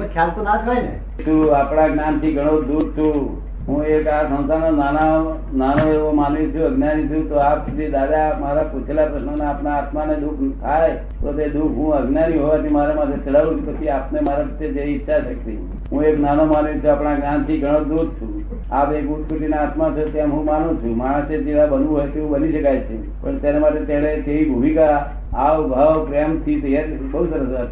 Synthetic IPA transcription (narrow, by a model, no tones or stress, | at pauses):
məkʰjalt̪onat̪ʰaenḛ | t͡ʃʰuapɽãɡnant̪ʰiɡʱəɽ̃od̪ud̪̚t͡ʃʰũ | ɦũekasə̃ñsaɾnonanao | nanoeʋomanʋĩt͡ʃʰũəɡnanit͡ʃ̪ʰũt̪oapsut̪id̪ad̪amaɾaput͡ʃʰelapɾəʃnənaːpnaːt̪maned̪ukʰt̪ʰaj | t̪ot̪ed̪ukʰɦũəɡnjanĩɦoʋat̪ʰimaɾemat̪ʰet͡ʃʰəɽaʋũt͡ʃʰũpət͡ʃʰiapnemaɾapət̪ed͡ʒeiɪtːʃʰaʃəkt̪i | ɦũeknanomanũt͡ʃʰuapɽ̃aɡnant̪ʰiɡʱəɽ̃əd̪ud̪ʱt͡ʃʰũ | apekut̪kut̪inaːt̪mat͡ʃʰot̪jamɦũmanũt͡ʃʰũmaɽ̃sed͡ʒiʋãbənʋũɦojt̪eʋũbəniʃəkajt͡ʃʰe | pəɳt̪janemaʈet̪jaɽ̃et̪eʋibʱumikaː | ʋɡʱəʋpɾeəmt̪ʰit̪əjaɾ | bəɦusəɾəsa